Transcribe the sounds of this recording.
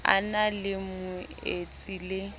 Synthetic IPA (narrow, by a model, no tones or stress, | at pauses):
a̰nalɪmʊet͡sʼilɪ